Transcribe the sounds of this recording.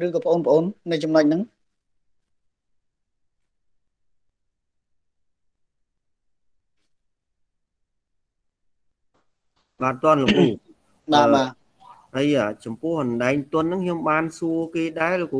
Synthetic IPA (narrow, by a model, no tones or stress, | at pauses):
rɨːkɑːpʰə̆ʔoːnpə̆ʔoːnːɨwt͡ɕɑmnəc̚nɨŋ | ɓaːt̪ŏənləmhup̚ | ɓaːɓaː | həjaːt͡ɕɑmpʊ̆əhʔɑnɗaɛŋt̪ʊ̆ənːɨŋkʰɲomɓaːnsuəkeːɗaɛlkː